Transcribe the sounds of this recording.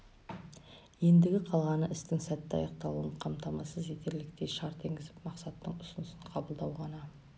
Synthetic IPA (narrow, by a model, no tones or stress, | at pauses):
je̞nd̪ɪɡʲɪqʰɑlˠʁɑnəʔɪst̪ɪŋsæt̪ːɑ̰jɑq̚t̪ɑlˠuəɴqʰɑmt̪ɑmɑsəzje̞t̪e̞ɾlɪk̚t̪e̞jʃɑɾt̪ʰe̞ŋɡʲɪzɪpmɑqsɑt̪ːəɴʊsʊnʊsəɴqʰɑbəlˠd̪ɑwʁɑnɑ